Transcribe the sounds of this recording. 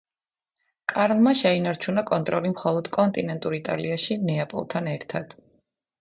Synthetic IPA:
kʼaɾlˠmaʃɛinaɾt͡ʃʰunakʼɔnt̪ʼɾɔlimχɔlˠɔd̪̥kʼɔnt̪ʼinɛnt̪ʼuɾit̪ʼa̰liaʃinɛapʼɔ̰lˠt̪ʰanɛɾt̪ʰad̪̥

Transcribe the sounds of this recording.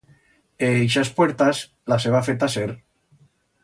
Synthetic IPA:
eejʃaspweɾt̪as | laseβ̞afet̪aseɾ

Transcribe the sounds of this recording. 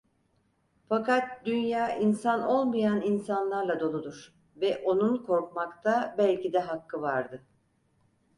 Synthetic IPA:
fakat̪̚d̪ynjaːʔinsano̞lˠmajaninsanlˠaɾlˠad̪o̞lˠud̪uɾ̥ | vɛʔo̞nunkʰo̞ɾkmakt̪ʰabælʲcid̪ɛɦakʰːɯvaɾd̪ɯ

